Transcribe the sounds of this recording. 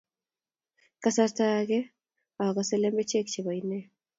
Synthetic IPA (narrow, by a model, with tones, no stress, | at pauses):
ka˨sa˦ɾtakɛ˦ | a˨ɔ˨ka˨sɛ˦lɛ˦mbɛ˦t͡ʃe˦kt͡ʃi˨βa˨inɛ˦